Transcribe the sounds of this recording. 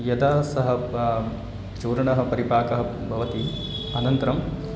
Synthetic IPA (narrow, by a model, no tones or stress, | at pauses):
jɐd̪aːsɐɦɐ̆ | t͡ʃuːɾɐɳɐɦɐ̆pɐɾipaːkɐɦɐ̆ | bʱɐʋɐt̪i | ɐnɐnt̪ɐɾɐm